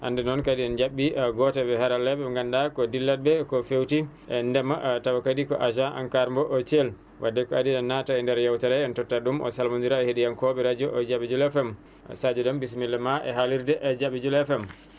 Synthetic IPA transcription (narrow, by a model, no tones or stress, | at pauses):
ʔa̰ndɛnɔnkadiɛnd͡ʒaɓːiɡɔtabɛhaɾalːɛbɛŋɡandakɔdilːat̚bɛkɔfewti | ɛndɛmatawakadikɔ̰ʔaʃaʔa̰nkaɾmbɔʔɔt͡ʃel | wadːɛkɔadiɛnːataɛndɛɾjawtɛɾɛɛntɔtːaɗumʔɔ̰salmandiɾaɛhedijankɔbɛɾad͡ʒɔʔɔd͡ʒabid͡ʒulɛfɛm̰ | sad͡ʒudɔmbis̬milːɛmaʔɛ̰ɦaliɾdɛʔɛd͡ʒaɓid͡ʒulɛfɛm